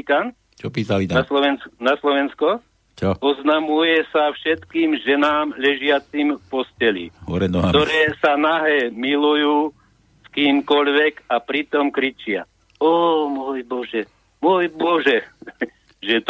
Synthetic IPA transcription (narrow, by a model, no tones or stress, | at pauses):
kan | t͡ʃɔpiːsaliaslɔʋɛnsnaslɔʋɛnskɔ | t͡ʃɔɔznamujɛsafʃɛt̪kiːmʒɛnaːmʎɛʒɪat͡simfpɔscɛlḭɦɔɾɛnɔt̪ɔɾɛːsanaɦɛmilujuː | skiːmkɔʎʋɛɡapɾit̪ɔmkɾit͡ʃɪa̰ | ɔmɔjbɔʒɛ | mɔjbɔʒɛ | ʒɛt̪